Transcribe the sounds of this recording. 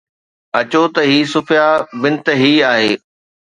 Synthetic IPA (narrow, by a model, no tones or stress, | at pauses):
ɐt͡ɕot̪ɐɦiːsʊfʰɪjabɪnt̪ɦiːaːɦḛː